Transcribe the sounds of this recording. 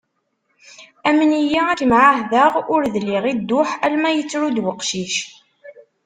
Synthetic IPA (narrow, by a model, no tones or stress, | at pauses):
æmənijaækəmʕaɦðəʁʊɾðlːiʁid̪ːʊħælmæjət͡sːɾud̪wəqʃiʃ